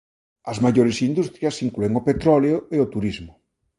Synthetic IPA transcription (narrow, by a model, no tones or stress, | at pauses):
ɐzmaʎoɾesind̪ust̪ɾjɐsiŋklueŋopet̪ɾɔleoeot̪uɾizmʊ